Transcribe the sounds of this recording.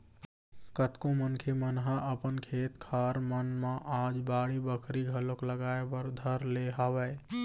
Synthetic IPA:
kət̪kõmənkʰemənɦaʔəpənkʰeːt̪kʰaɾmənmẽʔaːd͡ʒbaːɽibəkʰɾiɡʱəlokləɡaːebəɾd̪ʱəɾleɦaʋɛ

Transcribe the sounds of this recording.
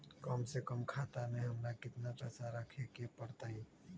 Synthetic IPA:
kəmsekəmkʰaːt̪amẽɦɐmnakɪt̪napɛːsaɾəkʰekepəɽt̪aɦĩ

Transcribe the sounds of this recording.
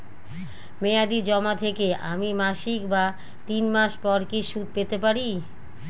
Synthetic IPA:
mead̪id͡ʑɔmat̪ʰekeʔa̰mimaʃikba | t̪inmaʃpɔɾkiʃud̪̚pet̪epaɾi

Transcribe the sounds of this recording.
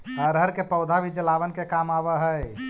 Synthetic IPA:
əɾəɾkepəʊd̪ʱabʱid͡ʒəlaːʋənkekamaʋəɦə

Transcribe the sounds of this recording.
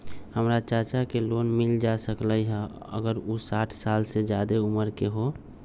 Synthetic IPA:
həmɾat͡ʃəɾt͡ʃakeloːnmild͡ʒasəkləjɦɛ | ə̰ɡəɾusaːʈʰsaːlsed͡ʒjad̪euməɾkeɦo

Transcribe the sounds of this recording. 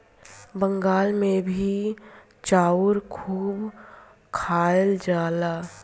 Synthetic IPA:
bə̃ŋɡaːlmẽbʱi | t͡ʃaːʊɾkʰuːb | kʰaːəld͡ʒaːlaː

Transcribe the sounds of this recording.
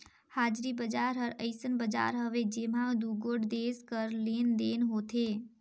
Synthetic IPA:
haːd͡ʒɾibəd͡ʒaːɾɦəɾəɪsənbəd͡ʒa̰ːɾɦəʋed͡ʒeːmãd̪uɡoːɽd̪eːskəɾleːnd̪eːnɦoːt̪ʰeː

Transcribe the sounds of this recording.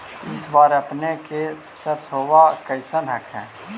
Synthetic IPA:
ɪsbaːɾɐpneke | səɾsoːwakəɪsənɦəkʰɦɛ̰̃ː

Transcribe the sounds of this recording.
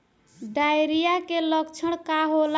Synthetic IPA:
ɖajɾijakeləkt͡ʃʰəɽ̃kaɦol

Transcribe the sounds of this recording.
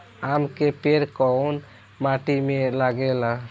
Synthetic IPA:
amkepeɾkɔun | maʈimelaɡela

